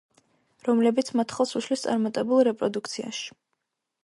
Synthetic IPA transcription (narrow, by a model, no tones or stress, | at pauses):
ɾɔmlɛbit̪sʰmat̪ʰχɔsuʃlist̪sʼa̰ɾmat̪ʼɛbulˠɾɛpʼɾɔd̪uk̚ʰt̪sʰia̰ʃi̥